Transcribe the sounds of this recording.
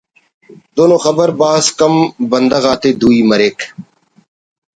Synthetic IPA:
d̪oːnõːxəbəɾbaːskəmbənd̪əɣaːt̪eːd̪uːiːməɾeːk

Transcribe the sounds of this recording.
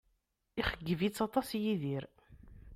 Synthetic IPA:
iχəɡːəvit͡sːɑt̪ˤɑsjiðiɾ

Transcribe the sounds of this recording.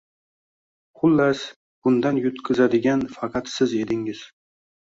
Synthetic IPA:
χʊlːas | b̥ʊnd̪anjʊt̪kʲʰɪzad̪ɪɡʲanfɑqʰɑt̪sɪze̞d̪ɪŋɪz̥

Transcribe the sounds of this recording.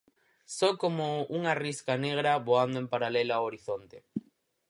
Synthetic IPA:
sɔkomouŋariskaneɣɾaβoand̪oempaɾalelaaoɾiθont̪e

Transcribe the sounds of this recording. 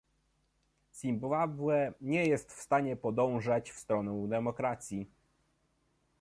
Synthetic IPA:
sʲimbavwɛɲɛjɛst̪fst̪aɲɛpɔd̪ɔ̃w̃ʐat͡ɕfst̪ɾɔnɛwd̪ɛmɔkɾat̪sʲji

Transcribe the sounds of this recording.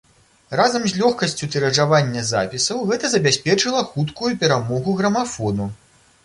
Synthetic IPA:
razɐmzʲlʲɔxkɐsʲt͡sʲut̪ɛɾɐʐavanʲːɐza̰pʲisɐwɣɛt̪ɐzɐbʲasʲpʲɛt͡ʂɨlˠɐxut̪kujupʲɛɾamɔɣuɣɾɐmafɔnu

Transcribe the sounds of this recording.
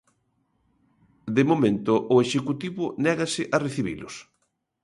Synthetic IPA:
d̪emomẽnt̪ʊʔʊeʃekut̪iβʊnɛɣɐsɪʔɐreθiβḭlʊs

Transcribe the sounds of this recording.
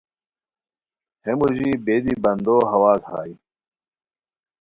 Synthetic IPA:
hemuʑiːbeːd̪ibɐnd̪oːɦɐwaːzha̰ːi

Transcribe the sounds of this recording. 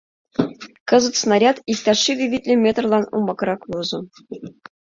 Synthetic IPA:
kɤ̆zɤ̆t̪snɑɾʲɑt̪ikt̪ʲɑʂːiʋʲibʲitʲlʲɘmʲet̪rlˠɑnṵmbɑkɾɑklˠuzɤ̆

